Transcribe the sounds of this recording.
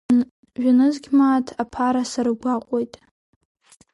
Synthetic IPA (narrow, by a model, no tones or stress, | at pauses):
ʒᶣanɨzɡʲmaːtʰapʰaɾasaɾɨɡʷaqʷʼojtʼ